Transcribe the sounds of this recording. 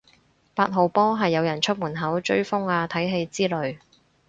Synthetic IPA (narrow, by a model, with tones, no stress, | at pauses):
paː˧t̚ɦo˨˩wpɔː˥ɦɐ˨jːɐ˨˧wjɐ˨˩nt͡ʃʰɵ˥t̚muː˨˩nɦɐ˨˥wt͡ʃɵ˥ɥfʊ˥ŋaː˧t̪ʰɐ˨˥jɦe˧jt͡siː˥lɵ˨˧ɥ